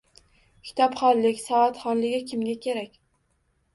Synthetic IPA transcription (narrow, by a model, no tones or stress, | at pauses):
kʲʰɪ̥t̪ʰɒpχɒllɪkʲsɒvat̪χɒnlɪɡʲɪkʲɪmɡʲakʲʰe̞ɾakʲ